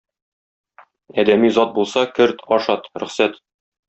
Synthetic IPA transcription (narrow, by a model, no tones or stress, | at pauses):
æd̪æmizɒt̪̚bulˠsɑkɘɾt̪ʰɒʃɑt̪ɾɵ̆χsæt̪